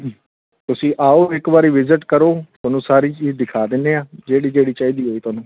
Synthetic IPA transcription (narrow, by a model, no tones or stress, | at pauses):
t̪ʊsĩːʔaːoːɪkʋaːɾiːʋɪzɪʈkəɾoːt̪ʊːnũːsaːɾiːt͡ʃiːzd̪ɪkʰaːd̪ɪnːeːaːd͡ʒeːɽiːd͡ʒeːɽiːt͡ʃaːiːd̪iːɦoːiːt̪ʊaːnũː